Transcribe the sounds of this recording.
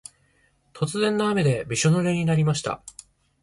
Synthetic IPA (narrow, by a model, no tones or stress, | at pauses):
t̪ʰo̞t͡sɨzẽ̞nːaːme̞d̪e̞bʲiɕonoɾe̞ɲ̟inaɾʲimaɕi̥t̪a̰